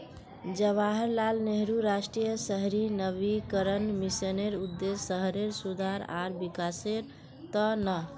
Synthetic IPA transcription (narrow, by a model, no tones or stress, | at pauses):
d͡ʒəβaɦəɾlalneɦɾuɾasʈɾijəsəɦɾinəβikəɾənmisəneɾud̪ːesːəɦɾeɾsud̪ʱaɾa̰ɾbikaseɾ | t̪ənə